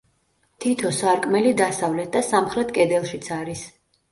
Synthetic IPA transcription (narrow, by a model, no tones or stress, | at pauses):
t̪ʰit̪ʰɔsaɾkʼmɛlid̪asavlɛt̪̚ʰd̪asamχɾɛt̪ʰkʼɛd̪ɛlˠʃit̪sʰaɾis